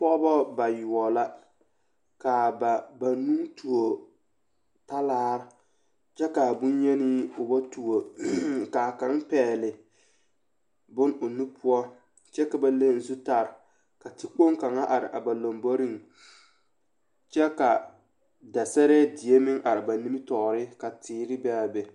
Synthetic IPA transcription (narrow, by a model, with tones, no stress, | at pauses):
pɔ˦ʔbɔ˦ba˨ju˨ɔ˨la˦ | ka˨ba˨ba˨nu˦ŋtu˨o˨ | ta˦laː˦ɾɪ˦ | t͡ʃɛ˦ka˨bu˦ɲ˦ɲɛ˦ni˦ʊ˨ba˦tu˨o˨ka˨ka˨˦ŋpɛː˨lɪ˨ | bʊ˦nʊ˨nu˦pʰʊ˦ɔ˦ | t͡ʃɛ˦ka˨ba˨le˦n̩˨˦zu˦ta˨ɾɪ˨ | ka˨tɪ˦k͡po˦ŋka˨ŋa˦ʔa˨ɾɪ̰˨ʔa̰˨ba˨lo˨mbɔ˦ɾi˦ŋ | t͡ʃɛ˦ka˨ | da˨sɛ˦ɾɛ˦dɪ˨e˦mɪ˦ŋʔa˨ɾɪ˨ba˨ni˦mi˦tɔ˨ɾɪ˦ka˨tʰɪː˨ɾɪ˦bɛ˦a˨bɛ˨